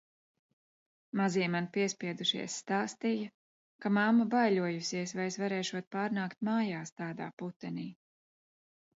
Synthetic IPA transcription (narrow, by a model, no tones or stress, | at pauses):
maziɛmanpiɛspiɛd̪uʃḭɛsːt̪aːst̪ijɐ | kamamːabajlʲuɔjusiɛsvajesvaɾɛːʃuɔt̪̚paːɾnaːkt̪̚maːjaːst̪aːd̪a̰ːput̪ːɛniː